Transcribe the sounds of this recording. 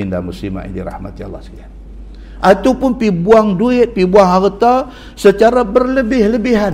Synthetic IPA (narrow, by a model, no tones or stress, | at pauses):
inda̰muslima̰ʔḭndiɾa̰hma̰t̪ia̰lːa̰hsid͡ʒa | ʔat̪apʊnpibuaŋduɪt̪̚pibuaŋɦart̪a | sət͡ʃaɾabərləbɪhləbɪɦa